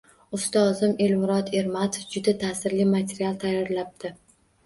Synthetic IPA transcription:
ʊst̪ɒzɪme̞lmʊɾɒt̪ʰe̞ɾmat̪ʰofd͡ʒʊd̪at̪ʰasɪɾlimat̪ʰe̞ɾialˠt̪ʰajːɒɾlap̚d̪̥ɪ

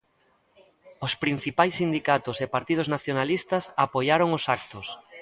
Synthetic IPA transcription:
ʊspɾin̟θipajsːind̪ikat̪ʊsepaɾt̪ið̞ʊznaθjonalist̪ɐsapojaɾoŋʊsak̚t̪ʊs

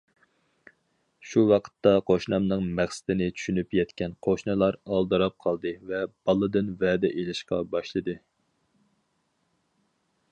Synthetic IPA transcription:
ʃuwɑqʰə̥t̪ːɑqʰoʃnɑmnɨŋmæχsɪ̥d̪ɪnɪt͡ʃʰy̥ʃynypjɛt̪kʲɛnqʰoʃnɨlˠɑɾɑlˠd̪ɨɾɑp̚qʰɑlˠd̪ɨvɛb̥ɑlˠɨd̪ɨnvɛːd̪ɛʔelɪʃqɑ̰bɑʃlˠɨd̪ɨ

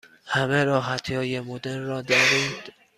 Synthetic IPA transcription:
hæmeɾɒːɦæt̪ʰjɒːjemod̪eɾrɒːd̪ɒɾiːnd̪̥

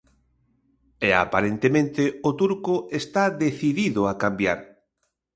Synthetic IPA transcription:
ɛa̰paɾent̪emẽnt̪eot̪uɾkoest̪aðeθiðiðʊakambja̰ɾ

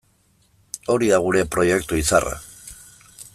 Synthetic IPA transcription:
o̞ɾiðaɣ̞uɾe̞pɾo̞je̞kt̪uisa̰rʔa̰

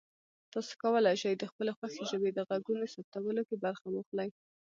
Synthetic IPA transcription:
t̪ɑso̥kawəlajʃejd̪əxpəlexwaxeʒəbed̪əɣaɡunosap̚t̪awəlokebaɾxamuxlaj

